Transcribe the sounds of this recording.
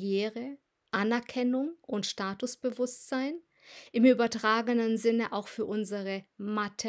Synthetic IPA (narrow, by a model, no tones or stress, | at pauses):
jeːʁə | ʔanɛɐkʰɛnʊŋʔʊntʃtaːtʊsb̥əvʊstz̥aɪn | ʔɪmʔyːbɐtʁ̥aːɡənənzɪnəʔaʊxfyːɐʔʊnzəʁəmatʰ